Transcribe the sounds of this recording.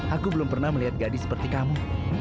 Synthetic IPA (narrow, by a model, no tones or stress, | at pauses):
ʔakubəlʊmpərnahməliɦat̪̚ɡadisə̥pərt̪ikamu